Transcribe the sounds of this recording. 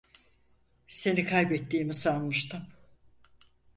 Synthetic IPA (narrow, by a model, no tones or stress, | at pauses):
se̞nikʰajbɛt̪ːiːmisanmɯʃt̪ɯm